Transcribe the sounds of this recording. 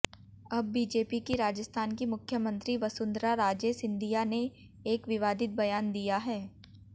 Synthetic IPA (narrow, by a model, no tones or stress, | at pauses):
ɐbːiːd͡ʒeːpikiɾaːd͡ʒəst̪ʰaːnkimʊkʰjəmə̃nt̪ɾiʋɐsʊ̃nd̪ɾaɾaːd͡ʒesɪ̃nd̪ijane | eːkʋɪʋaːd̪ɪt̪̚bɐjaːnd̪ijaɦɛː